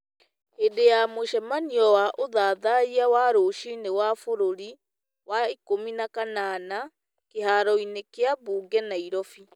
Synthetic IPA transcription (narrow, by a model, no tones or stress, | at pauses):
edejamoʃɛmaniɔwaʔoðaːðaiawaːɾoːʃinewafoɾoɾi | waikominakanana | keɦaɾɔinekeaβuːɡɛnaiɾɔfi